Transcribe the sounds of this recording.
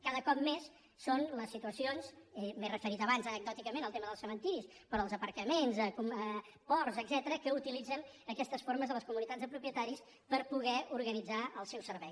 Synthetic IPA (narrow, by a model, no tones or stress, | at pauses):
kaðəkɔp̚mesː | onləsit̪uəsionsɛmezrəfəɾit̪zəβanzənəɡ̚d̪ɔt̪ikəmẽnəlˠt̪eməðəlˠsəmənt̪iɾispɾɔəlˠzəpəɾkəmenzəkuə | pɔrzəɡzɛt̪əɾəkəut̪ilid͡zən | əkɛst̪əsfoɾməzðələskumunit̪ad͡zðəpɾupjət̪aɾis | pəɾpuɣɛuɾɣənid͡zaəlˠsɛwsəɾβɛj